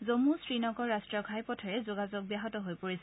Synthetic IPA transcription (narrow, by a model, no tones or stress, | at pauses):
zomusɹinɔkɔɹːastɹɔɡʰʱajpɔtʰɔɹɛzoɡazɔk̚bijaɦɔtɔɦojpoɹisɛ